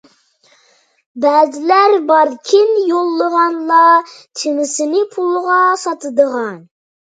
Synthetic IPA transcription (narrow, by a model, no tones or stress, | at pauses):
bæːzɪlæɾbɑɾkʲʰɪnjolˠːəʁɑnlˠɑt̪ʰɪmɪsɪnɪpʰulˠʁɑsɑt̪ɨd̪əʁɑn